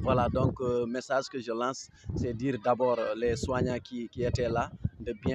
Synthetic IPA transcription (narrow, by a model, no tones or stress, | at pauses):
vwaladɔ̃ŋkəmesaʒkəʒəlãːsː | ɛdiːɾdabɔːɾlɛswaɲãkikiɛtɛladəbijɛ̃